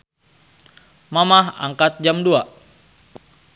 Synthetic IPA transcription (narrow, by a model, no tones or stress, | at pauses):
mamaɦa̰ŋkat̪̚d͡ʒamdua